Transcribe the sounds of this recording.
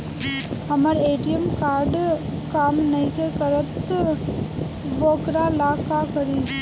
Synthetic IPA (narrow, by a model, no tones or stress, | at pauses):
hɐmaɾeːʈijemkaːɾɖkaːmnɐĩkekəɾət̪ː | ʋoːkɾalaːkakəɾi